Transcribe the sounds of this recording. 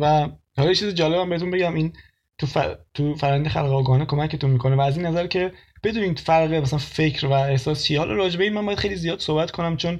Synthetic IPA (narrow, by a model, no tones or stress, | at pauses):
væ | hɒlɒjet͡ʃʰizid͡ʒɒːlebæmbeɾet̪unbe̞ɟæmiːn | t̪ʰuft̪ʰufæɾænd̪exælɣeɒːɡɒhnekʰo̞mæcʰet̪unmiːkʰonevæːziːnːæzæɾcʰe̞ | b̥e̞d̪uːniːfæɾʁemæsælænfe̞cʰɾvæehsɒːst͡ʃʰihɒːlʔɒ̰ɾɒːd͡ʒe̞beinmænmbɔːjæd̪xejlizijɒːd̪̥so̞hbæt̪kʰo̞næmt͡ʃʰo̞n